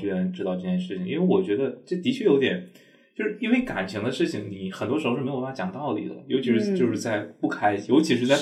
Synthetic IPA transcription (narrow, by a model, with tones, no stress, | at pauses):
t͡ɕy˥ɻə˧˥nʈ͡ʂɻ̩˥ɑ˥˧ʊʈ͡ʂɤ˥˩t͡ɕjɛ˥nʂɻ̩˥˩t͡ɕʰi˩ŋḭ˥nwe˥˩ɪwɔ˨˩t͡ɕɥɛ˧˥d̪ə˧ʈ͡ʂə˥˩t̪i˧˥t͡ɕʰɥɛ˥˩jo˧˥ʊt̪̬jɛ˨˩˦n | t͡ɕjo˥˧ʊʂɻ̩˥˩i˥nwe˥˩ɪka̰˨˩nt͡ɕʰi˧˥ŋd̪ə˧ʂɻ̩˥˩t͡ɕʰi˨˩ŋni˨˩xə˨˩nt̪wɔ˥ʂɻ̩˧˥˧ɻ̩˥˧˥jt͡ɕjɑ˨˩ŋt̪ɑ˥˩ʊlḭ˨˩d̪ə̰˩jo˧˥ʊt͡ɕʰi˧˥ʂɻ̩˥˧t͡ɕo˥˧ʊʂɻ̩˥˧t͡sa˥˧ɪpu˥˩kʰa˥ɪ˨jo˧˥ʊt͡ɕʰi˧˥ʂɻ̩˧t͡sa˥˩ɪ